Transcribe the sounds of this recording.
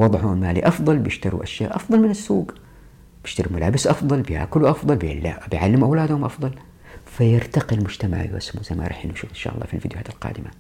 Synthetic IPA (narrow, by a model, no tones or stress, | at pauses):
wɑðˤħuːnmaːlḭʔɑfðˤɑlbjɪʃt̪aɾṵʔaʃja̰ːʔɑfðˤɑlmɪnɪsːuːɡ | bjɪʃt̪aɾimalaːbɪsʔɑfðˤɑlbja̰ːkʊlwʔɑfðˤɑlbḛːlːa̰bɪjʕalːɪmuʔawlaːd̪hʊmʔɑfd̪ˤɑl | fajɪɾt̪aqilmʊd͡ʒt̪ama̰ʕ̰jʔɪ̰smuz̥ajma̰ɾˤɑ̰ːħʔɪnːuʔʃuːfɪnʃa̰ːʔɑlˤːɑ̰ːfilfiːd̪jʊhaːt̪ɪlqɑ̰ːd̪ɪma